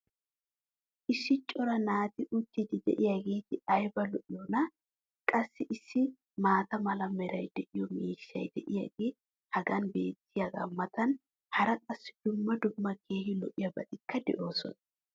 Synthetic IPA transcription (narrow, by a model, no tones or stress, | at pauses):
ʔɪsːɪt͡ʃʼːɔɾɐnaːt̪ɪʔʊt̪ːid̪ɪd̪ɛ̰ʔɪjaɡe̞ːt̪ɪɐjbɐlɔʔɪjɔnɐ | kʼɐsːɪʔɪsːɪ | maːt̪ɐmɐlɐmɛɾɐjd̪ɛʔɪjɔmiːʃːɐjd̪ɛʔɪjɐ̰ɡeː | hɐɡɐnbe̞ːt̪ʰːɪjɐɡɐ̰mːɐt̪ɐn | hɐɾɐkʼɐsːɪd̪̥ʊmːɐd̪ʊmːɐkʰe̞ːhɪlɔʔɪjɐbɐt̪ʼɪkːɐd̪ɛ̰ʔo̞ːsɔ̰nɐ